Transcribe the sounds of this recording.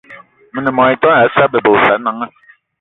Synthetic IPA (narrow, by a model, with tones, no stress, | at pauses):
mi˨ni˨mɔ˨i˨tɔ˦na˨˦sa˦be˨bo˨sa˨˦na˨˦ŋa˦